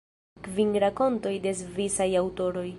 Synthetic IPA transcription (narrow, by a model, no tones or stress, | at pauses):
kvinɾako̞nto̞jde̞zvisajawto̞ɾo̞j